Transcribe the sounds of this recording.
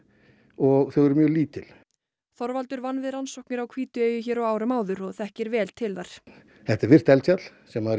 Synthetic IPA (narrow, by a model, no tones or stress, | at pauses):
ɔɣθœɣɛɾʏmjœːɣliːt̪ɪl̥ | θɔɾvalt̪ʏɾvanvɪðɾansɔwhknɪɾawkʰviːt̪ʏeːjʏçɛːɾɔwaːwɾʏmaːwðʏɾɔɣθɛhcɪɾvɛːlt̪ʰɪlðaɾ̥ | θɛht̪aɾvɪr̥t̪ɛlsjat̪l̥sɛma